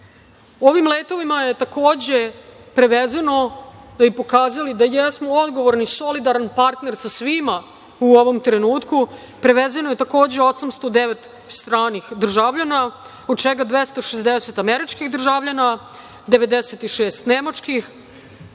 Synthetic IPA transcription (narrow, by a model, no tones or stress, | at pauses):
o̞ʋimleːt̪o̞ʋimajet̪ako̞ːd͡ʑe | pɾeʋezano̞d̪abipo̞kaːzalid̪ajesmoo̞d̪ɡo̞ʋoɾniso̞lid̪aɾanpaɾt̪ne̞ɾsasʋima | uo̞ʋo̞mt̪ɾenuːt̪ku | pɾeʋezanoje̞t̪ako̞ːd͡ʑeo̞samst̪o̞d̪eʋet̪ | st̪ɾaːnixd̪r̩ʒavʎana | od̪̚t͡ʃeɡad̪ʋest̪aʃezd̪eset̪ameɾit͡ʃkixd̪r̩ʒaʋʎana | d̪eʋe̞d̪eset̪iʃeːst̪nemat͡ʂkix